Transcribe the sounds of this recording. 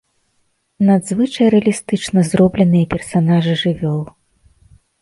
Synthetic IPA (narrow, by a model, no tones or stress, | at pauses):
nad̪zvɨt͡ʂɐjɾɛɐlʲist̪ɨt͡ʂnɐzrɔblʲɛnɨjɐpʲɛrsanaʐɨʐɨvʲɔlˠ